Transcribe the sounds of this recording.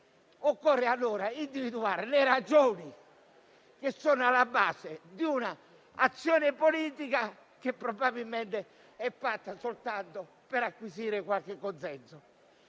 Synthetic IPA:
ɔkːɔrːɛalːɔːɾaind̪ivid̪uaːɾɛneɾad͡ʒoːni | kesːɔːnɔalːabaːsed̪iunaː | t̪sːjɔːnɛpoliːt̪ika | k̟epːɾɔbabilmɛnt̪ɛ | ɛfːat̪ːasolt̪ant̪ɔ | pɛɾakːwisiːɾɛkwalkekːɔnsɛnsɔ

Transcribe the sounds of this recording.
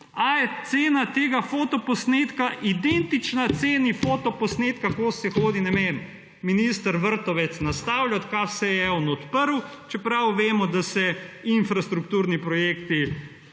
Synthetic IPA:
ajɛt̪seːnat̪eːɡafoːt̪ɔpɔsneːt̪kaʔid̪ent̪it͡ʃnat̪seːnifoːt̪ɔpɔsneːt̪kakoːsɛxoːd̪inɛmem | minist̪əɾʋəɾt̪ɔʋɛt̪snast̪aːwlʲjat̪kasɛjɛɔnɔt̪pəɾw | t͡ʃɛpɾawʋeːmɔd̪asɛinfɾast̪ɾukt̪uːɾnipɾɔjeːkt̪i

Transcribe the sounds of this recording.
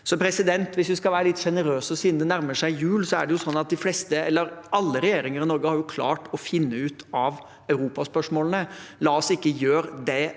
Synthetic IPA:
sɔpʰɾɛsɪd̪ɛnt̪ʋɪsd̪ʉskɑlʋæːɾəlɪt̪ːʂɛnəɾøːsəɔsiːnd̪ənæɾməʂæɪjʉːlsɔæ̰ɖɛjʊsɔnːɑt̪̚d̪ɪflɛst̪əɛlːəɾɑlːəɾɛjeːɾɪŋəɾɪnɔɾɡəhɑɾjʊkʰlɑ̰ːʈɔfɪnːəʉːt̪ɑʋ | œʉɾuːpɑspœʂmoːlnəlɑːɔsɪkːəjøːɾd̪ɛ

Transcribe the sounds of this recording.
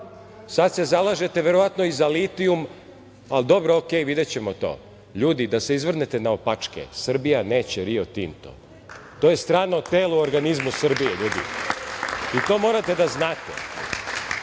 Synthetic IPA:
sad̪se̞zalˠaʒe̞t̪eʋeɾoʋat̪no̞izalit̪ium | ald̪o̞bɾookeːjʋid̪et͡ɕe̞mot̪o̞̰ː | ʎuːd̪id̪aseizʋr̩net̪enaopat͡ʂkḛsr̩bijaneːt͡ɕeɾiot̪iːnt̪o̰ | t̪oːje̞st̪ɾaːɾnaot̪eːluoɾɡanizmusr̩bijeʎuːd̪ḭ | it̪o̞ːmo̞ɾat̪e̞d̪aznaːt̪ḛ

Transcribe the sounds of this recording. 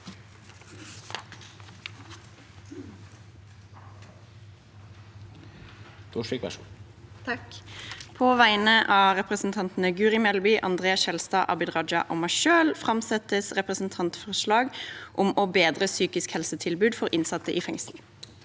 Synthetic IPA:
t̪uʃikʋæ̰ | pʰoːʋæɪnəʔɑːʁɛpʁəsn̩t̪ʰɑnt̪n̩əɡʉːʁɪmɛlbʏːʔɑ̰nd̪ʁeːɑsʃɛlst̪ɑːʔɑ̰bɪd̪ʁɑd͡ʒɑ̰ʔo̰mɑʃøːlfʁɑmsɛt̪əsʁɛpʁəsn̩t̪ʰɑnt̪fɔʁʃlɑːɡʔʊmɔbeːd̪ʁəsyːkɪskhɛlsət̪ʰɪlbʉːd̪fɔʁʔɪnsɑt̪əʔiːfɛŋsl̩

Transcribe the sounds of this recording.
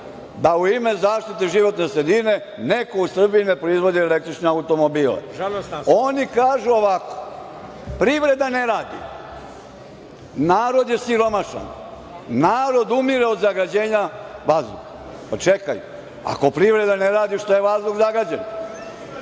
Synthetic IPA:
d̪auime̞zaːʃt̪it̪eʒiʋo̞t̪nesɾed̪ine̞ | neko̞usr̩bijinepɾoizʋo̞d̪ielek̚t̪ɾit͡ʃneaut̪o̞mobiːlḛonikaːʒuoʋako̥ | pɾiʋɾe̞d̪aneɾaːd̪ḭ | naːɾo̞d̪jesiɾo̞maʃa̰n | naːɾo̞d̪umiɾeo̞d̪zaɡad͡ʑe̞ːɲaʋazd̪ṵk | pat͡ʃekajṵ | a̰ko̞pɾiʋɾe̞d̪aneɾaːd̪iʃt̪ojeʋazd̪uɡzaɡad͡ʑen

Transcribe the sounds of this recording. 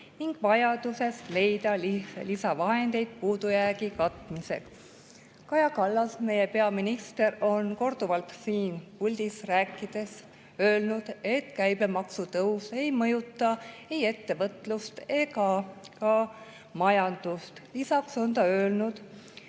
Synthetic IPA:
niŋɡ̥vɑjɑd̪̥use̞st̪le̞jd̪ɑlilisɑvɑɦe̞nd̪̥e̞jd̪̥̚puːd̪ujæːɡikɑt̪mise̞̰k | kɑjɑkɑlːɑsme̞je̞pe̞ɑminist̪e̞ɾo̞nko̞rd̪̥uvɑlt̪siːnpulʲd̪̥isræːkːˑid̪̥e̞s | ø̞ːlnud̪̥e̞t̪kæjb̥emɑksut̪ɤwse̞jmɤjut̪ːˑɑe̞je̞t̪ːe̞vɤt̪lust̪e̞ɡɑkɑ | mɑjɑnd̪̥ust̪lisɑkso̞nt̪ɑø̞ːlnud̪̥

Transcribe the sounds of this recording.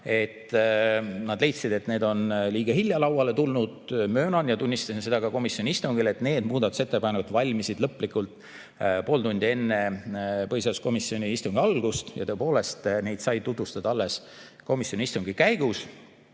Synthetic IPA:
e̞t̪ | nɑd̪̥le̞jt̪sid̪e̞t̪ne̞ːd̪o̞nliːɡ̥ɑɦilʲjɑlɑwɑle̞t̪ulnud̪̥mø̞ːnɑnjɑt̪unʲːist̪ɑsinse̞d̪ɑɡɑko̞misjo̞nʲiist̪uŋɡ̥ile̞t̪ne̞ːd̪muːd̪ɑt̪ːˑu̥se̞t̪ːepɑnːevɑt̪vɑlʲmisid̪lɤpˑːlikːˑult̪ˑ | po̞ːlt̪unʲd̪̥ʲie̞nːe̞pɤjsɑsko̞misːio̞nʲiist̪uŋɡiɑlɡ̥ust̪jɑ̰t̪ɤ̞epo̞ːle̞st̪ne̞jd̪sɑjt̪ːut̪vust̪ɑd̪ɑɑlːe̞s | ko̞misʲjo̞nʲiist̪uŋɡ̥ikæjɡ̥us

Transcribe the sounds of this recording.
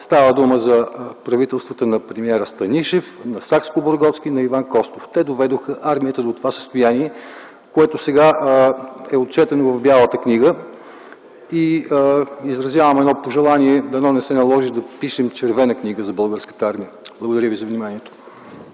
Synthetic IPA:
st̪avəd̪uməzɐpɾɐvit̪ɛlˠst̪vət̪ənɐpɾɛmiɛɾəst̪ɐniʃɛfnɐsakskoboɾɡɔt̪sk̟inɐivankɔst̪oft̪ɛd̪ovɛd̪oxəʔaɾmiət̪əd̪ot̪ovasə̥st̪ojaniɛ | koɛt̪osɛɡa | ɛot̪̚t͡ʃɛt̪ɛnovɐvbjalˠət̪əkniɡə | i | izɾɐzjavəmɛd̪nɔpoʒɛlˠaniɛd̪ɐnɔnɛsɛnɐlˠɔʒid̪ɐpiʃɛmt͡ʃɛɾvɛnəkniɡəzɐbəlˠɡəɾskə̥t̪əaɾmijəblˠəɡod̪ɐɾʲəvizɐvnimanijɛt̪o̥

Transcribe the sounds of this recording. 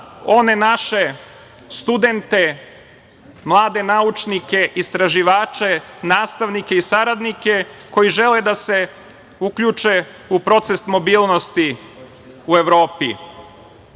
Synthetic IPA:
o̞ne̞naʃe̞ | st̪ud̪e̞nt̪e̞ | mlˠaːd̪e̞naut͡ʃnike̞ʔist̪ɾaʒiʋaːt͡ʃenaːst̪aʋnike̞isaɾad̪nike̞ko̞jiʒe̞led̪ase̞ | ukʎut͡ʃe̞ | upɾo̞t̪sest̪mo̞biːlˠno̞st̪i | ue̞ʋɾo̞ːpi

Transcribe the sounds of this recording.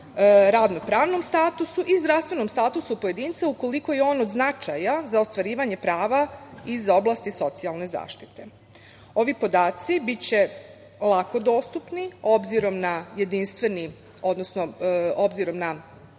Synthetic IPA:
ɾaʋno̞pɾaːʋno̞mst̪aːt̪usuʔizd̪ɾafst̪ʋe̞nomst̪aːt̪usupo̞je̞d̪iːnt̪sauko̞liko̞jeo̞ːnod̪znat͡ʃajazao̞st̪ʋaɾiːʋaɲe̞pɾaːʋaizo̞blˠaːst̪iso̞t̪sialˠne̞za̰ːʃt̪i̥t̪e̞ | o̞ʋipo̞d̪aːt̪sibit͡ɕe̞ | lˠako̞d̪o̞ːst̪upnio̞bziɾo̞mnajed̪inst̪ʋe̞ni | o̞d̪nosnoobziɾo̞mna

